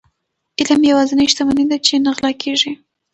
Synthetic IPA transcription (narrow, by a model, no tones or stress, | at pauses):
ɪlamjawɑzɪnajʃt̪amaned̪at͡ʃenəɣlɑkʰeʐi